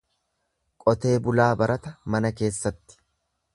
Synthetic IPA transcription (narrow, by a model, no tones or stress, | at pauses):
kʼɔt̪e̞ːbʊlaːbɐɾɐt̪ɐmɐnɐke̞ːsːɐt̪ːɪ̥